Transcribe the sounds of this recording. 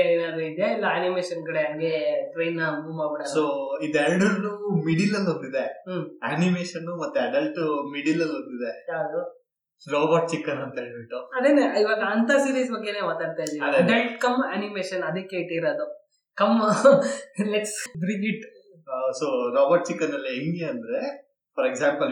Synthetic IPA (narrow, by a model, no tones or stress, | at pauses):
enaːd̪eid̪jailːɐːnimeːʃɐnɡɐɽeɐnɡeʈɾejnːɐmumaːbiɽad̪soːid̪elɖɐɾnumiɖilːɐlːond̪id̪eanimeːʃɐnːumɐt̪ːuɐɖɐlʈmiɖilɐlːod̪id̪ead̪u | ɾoːbɐɾʈ̚t͡ʃikːɐnɐnt̪ɐeɭbiʈːuɐd̪eneiʋaːɡɐɐnt̪ɐsiːɾisbɐɡːenemaːt̪aːɖt̪aːjd̪iɐd̪ɐɖɐlʈkɐmaːnimeːʃɐnɐd̪eːkeːʈeɾaːd̪u | kɐm | leksɖɾiʋiʈː | soːɾoːbɐɾʈ̚t͡ʃikːɐnɐlːieŋɡeɐnd̪ɐɾe | pɐɾeɡsaːmpɐl